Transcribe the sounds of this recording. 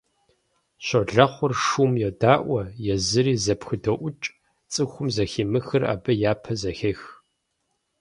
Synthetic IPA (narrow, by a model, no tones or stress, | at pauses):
ɕɐɮɐχʷʊrʂuːmjɛdaːʔʷɐjɛzɨɾiːzɐpxɨdɐʔʷʊt͡ʃʼ | t͡sʼɨxʷʊmzɐxiːmɨxɨra̰ːbɐjaːpʰɐzɐxex